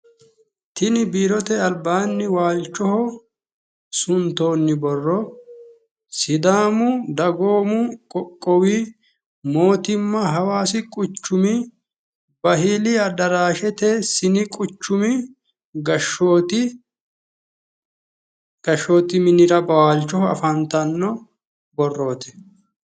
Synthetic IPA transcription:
t̪ɪnɪbiːɾɔt̪ɛɐlbaːnːɪwaːlt͡ʃːɔhɔ | sʊnt̪oːnːɪbɔrːɔ | sɪd̪aːmʊd̪ɐɡo̞ːmʊkʼɔkʼːɔwi | mo̞ːt̪ɪmːɐɦɐwaːsɪkʼʊt͡ʃːʊmɪ | bɐɦɪlɪɐd̪ɐɾaːʃɛt̪ɛsɪnɪkʼʊt͡ʃːʊmɪ | ɡɐʃot̪ɪ | ɡ̥ɐʃːoːt̪ɪmɪnɪɾɐbɐaːlt͡ʃːɔhɐ̰fɐnt̪ɐnːɔ | bɔrːo̞ːt̪ɛ̥

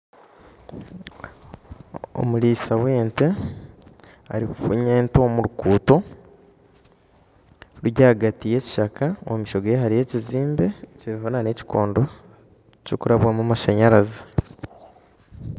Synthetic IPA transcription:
o̰muɾiːsawe̞ːnte | a̰ɾikufṵɲeːnto̞ːmuɾukuːto̞ | ɾuɟaːɡatije̞ːci̥ʃakʰaomiʃo̞ɡejeɦaɾije̞ːciziːmbe̞ciβivanane̞ci̥ko̰ːndo̞ | cokuɾaβwamumaʃaɲaɾaza

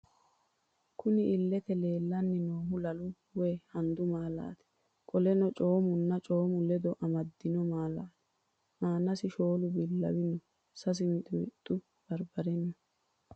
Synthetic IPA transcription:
kʊnɪʔɪlːɛt̪ɛle̞ːlːɐnːɪnoːɦʊlɐlʊ | weːhɐnd̪ʊmaːla̰ːt̪ɛ̥ | kʼɔlɛnɔt͡ʃʼo̞ːmʊnːɐt͡ʃʼo̞ːmʊlɛd̪ɔʔɐmɐd̪ːɪnɔmaːlaːt̪ɛ̥ | maːnɐsɪʃo̞ːlʊbɪlːɐ̰wɪnɔ | sɐs̬ɪmɪt̪ʼʊmɪt̪ʼːʊ | b̥ɐɾbɐɾɛnːɐ

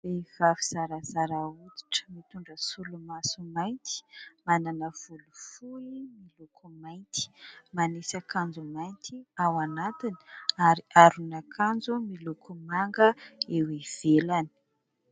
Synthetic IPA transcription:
vev̥aviz̥aɾazaɾaut̪i̥ʈ͡ʂə̥mit̪uɳɖ͡ʐəsulumasumajnt̪i̥mananəv̥ulufuimilukʰumajnt̪i̥manesakand͡zumajnt̪ʰiawanat̪ini̥aɾiʔaɾunakʰand͡zumilukʰumaŋɡəewev̥elani̥

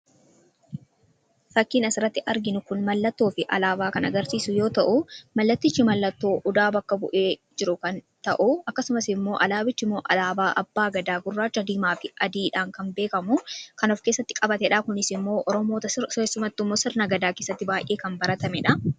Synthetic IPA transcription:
fɐkːiːnɐsɪɾɐt̪ːɪʔɐɾɡɪnʊkʊnmɐlːɐt̪ːo̞ːfɪʔɐ̰laːbaːkɐnɐ̰ɡɐɾsiːsʊjo̞ːt̪ɐʔʊmɐlːɐt̪ːɪt͡ʃːɪmɐlːɐt̪ːo̞ːʔʊd̪aːbɐkːɐbʊ̰ʔeːd͡ʒɪɾʊkɐnt̪ɐʔʊɐkːɐsʊmɐsɪmːo̞ːʔɐlaːbɪt͡ʃːɪmːoːʔɐ̰laːbaːʔɐbːaːɡɐd̪aːɡʊrːaːt͡ʃːʊɐd̪iːmaːfɪʔɐd̪iːᶑaːŋkɐnbe̞ːkɐmʊkɐnɔfke̞ːsːɐt̪ːɪ̥kʼɐbɐt̪ɛᶑaːkʊnɪsɪmːo̞ːʔɔɾɔmoːt̪ɐsʊmɐt̪ːɪmːoːsɪɾnɐɡɐd̪aːke̞ːsːɐt̪ːɪbaːjʔe̞ːkɐmbɐɾɐt̪ɐmɛᶑɐ

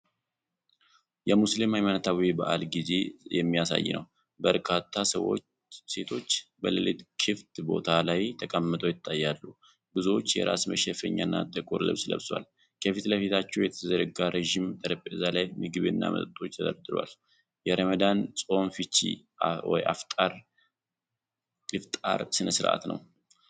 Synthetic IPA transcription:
jɛmuslimajmanət̪ʰawibaʔalɡize̞jɛmːijasa̰jːɪ̰nə̰w | bəɾkʰat̪ʰːasəwo | se̞t̪ʰo̞t͡ʃːbəlɨlit̪ʼkʰɨft̪ʼbo̞̰t̪ʰalajt̪ʰəkʼəmːɨt̪ʼojɪt̪ʼːajːalːu | bɨzwot͡ʃːjɛ̰ɾa̰sməʃɛfəɲːanːa̰t̪ʼɨkʼuɾlɨ̰βslə̰βswa̰l | kʰəfit̪ləfit̪ʰat͡ʃːɛwjɛt̪ʰəzəɾəɡaɾʔeʒimt̪ʼəɾəpʼɨzalajmɨɡɨβenːa̰mə̰t̪ʼət̪ʼʰːo̞t͡ʃːt̪ʰəd̪əɾd̪ɨɾwa̰l | jɛɾəməd̪ansʼo̞nfit͡ʃːḭ | wɔ̰jaft̪ʼaɾ | lɨft̪ʼa̰ɾsɨnəsɨɾʔa̰t̪nə̰w

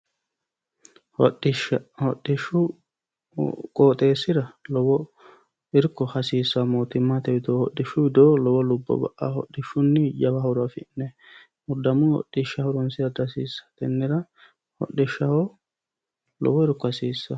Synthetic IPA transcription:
ɔɗɪʃɐhɔɗːɪʃːʊ | kʼoːt̪ʼe̞ːsːɪɾɐlɔbɔ | ɪɾkːɔhɐsiːsːɐmoːt̪ɪmːat̪ɛbɪd̪oːhɔɗːɪʃːʊbɪd̪oːlɔwɔlʊbːɔ̰bɐ̰ʔahɔ̰ɗːɪʃːʊnːɪjɐbɐhʊɾɐfɪnːɛ | mʊd̪ɐmʊnhɔ̰ɗːɪʃɐhʊɾɔnsɪjɐd̪ɐsḭːsːɐ̥t̪ɛnːɪɾɐ | hɔ̰ɗɪʃːɐhɔ | lɔ̰bɔɪɾkːɔhɐsiːsːɐ

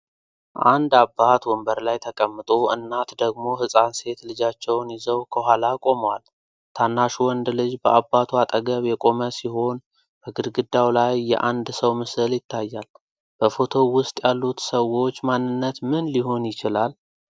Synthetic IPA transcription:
ʔa̰nd̪abːat̪wɔmbəɾlajt̪ʰəkʼəmːɨt̪ʼoʔɨ̰nːat̪d̪əɡmo̞ɦɨsʼanse̞t̪lɨd͡ʒat͡ʃːɛwnjizəwkʰəhʷalakʼo̞mwal | t̪ʰanːaʃuwɔnd̪lɨd͡ʒbəʔabːat̪ʰwat̪ʼəɡəβjɛkʼo̞məsiho̞n | b̥əɡɨɾɡɨd̪ːawlajːɛ̰ʔand̪səwmɨsɨljɪt̪ʰːajːal | b̥əfo̞t̪ʰo̞wʊst̪ʼjalːut̪səwo̞t͡ʃːmanːɨnːət̪mɨnliɦo̞njɪt͡ʃɪlal

